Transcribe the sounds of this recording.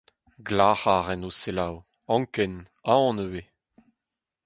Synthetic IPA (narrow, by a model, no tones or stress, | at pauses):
ɡlaːχaːʁɛnoselaw | ɑ̃ŋkɛn | aɔ̃nøwe